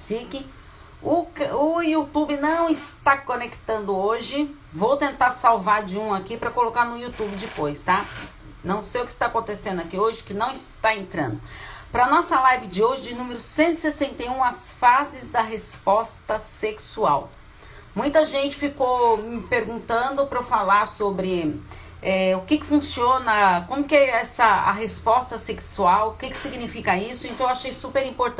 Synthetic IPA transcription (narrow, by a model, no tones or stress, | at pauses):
sikɪ | ʊkʊiut̪ubɪnɐ̃w̃ɪst̪akonekt̪ɐ̃nd̪ʊoʒɪ | vowt̪ẽnt̪aɾsawvaɾd͡ʒɪũakipɾɐkolokaɾnʊiut̪ubɪd͡ʒɪpojst̪a | nɐ̃w̃sejʊkɪ̥st̪aakõnt̪esẽnd̪ʊakioʒɪkɪnɐ̃w̃ɪst̪aẽnt̪ɾɐ̰̃nd̪ʊpɾɐnɔsɐlajvɪd͡ʒɪoʒɪd͡ʒɪnũmeɾʊsẽnt̪ʊi̥sesẽnt̪ejũɐsfazɪzd̪ɐɦespɔst̪ɐseksua̰w | mũj̃t̪ɐʒẽnt͡ʃɪ̥fikowmɪpeɾɡũnt̪ɐ̃d̪ʊpɾɐfalaɾsobɾɪ | ɛʊkɪkɪ̥fũsiõnɐkõmʊkɪɛɛsɐɐ̰ɦespɔst̪ɐseksuawʊkɪkɪ̥siɡnifikɐisʊẽnt̪ɐ̃ewaʃejsupeɾĩmpoɾt̪